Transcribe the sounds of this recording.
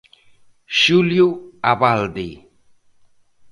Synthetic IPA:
ʃuljuabald̪ḭ

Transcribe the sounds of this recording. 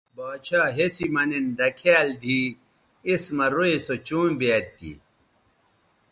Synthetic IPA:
baːt͡ɕʰaːɦesimɐninɖ̪ɐkʰaːld̪ʱiː | ismɐɾoesot͡ɕũːmbeːt̪ːḭ

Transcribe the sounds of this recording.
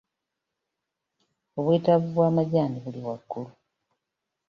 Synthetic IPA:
oβwiːtaβuβwaːmaɟaːniβuliwakːulu

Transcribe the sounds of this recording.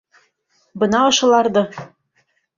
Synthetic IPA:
bɤ̆nɑɤ̆ʃɤ̆lˠɑrd̪ɤ̆

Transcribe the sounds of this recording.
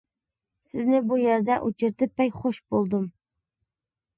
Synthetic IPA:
sɪznɪbujeɾd̪ɛʔut͡ʃʰɪɾt̪ʰɪpːɛjχoʃbolˠd̪ɨm

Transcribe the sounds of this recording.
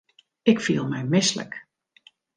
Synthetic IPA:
ɪkfiːlˠmɛjmɪslə̰k

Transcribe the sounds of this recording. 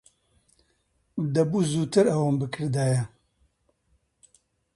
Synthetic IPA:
d̪ɐbuːzuːt̪ʰɨɾɐwambɨkʰɨɾd̪aːjɛ

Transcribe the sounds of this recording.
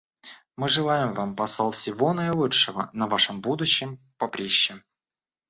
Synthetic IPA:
mɨʐɨlˠajɪmvampɐsalˠfsʲɪvonəɪlˠuʂɨvə̰nɐvaʂɨmbud̪ʊɕːɪm | pɐpɾʲeɕːɪ

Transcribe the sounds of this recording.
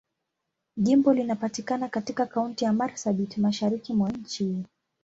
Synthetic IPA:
ʄimbɔlinapatikanakatikakauntijamaɾsaɓitmaʃaɾikimwaɲ̩t͡ʃi

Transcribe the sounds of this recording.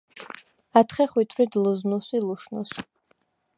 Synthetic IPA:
at̪ʰχɛχwit̪ʰɾid̪luznusiluʃnṵs

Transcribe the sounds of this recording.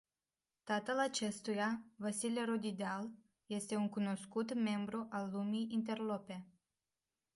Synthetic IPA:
t̪at̪əlat͡ʃe̞st̪ujavasileɾod̪id̪al | je̞st̪e̞uŋkuno̞skut̪me̞mbɾuʔalːumiint̪̬e̞rlo̞pe̞

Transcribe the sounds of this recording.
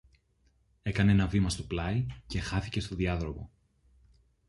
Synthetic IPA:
e̞kɐnee̞nɐvimɐst̪o̞plɐice̞xɐθice̞st̪o̞ðiɐðɾo̞ɣo̞̰

